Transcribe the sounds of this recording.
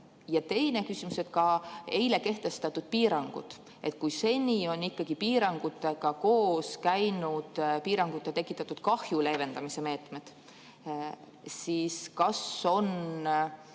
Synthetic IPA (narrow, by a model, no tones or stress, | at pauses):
jɑt̪e̞jne̞kysimuset̪kɑe̞jle̞ke̞ht̪e̞st̪ɑt̪ːˑud̪̥̚piːɾɑŋɡ̥ṵd̪̥ | ʔe̞̰t̪̚ːˑkujse̞nʲio̞nikːɑɡ̥ipiːɾɑŋɡ̥ut̪ːˑeɡ̥ɑko̞ːskæjnud̪̥piːɾɑŋɡ̥ut̪ːˑet̪ekːˑit̪ːˑɑt̪ːud̪̥kɑhjule̞ve̞nd̪ɑmise̞me̞ːt̪me̞d̪̥ | siːskɑso̞n